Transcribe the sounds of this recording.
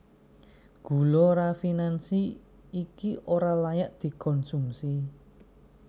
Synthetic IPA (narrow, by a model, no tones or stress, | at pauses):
ɡ̥ṳloɾafinansi | ikiʔoɾalajaʔd̪̥i̤kɔnsumsi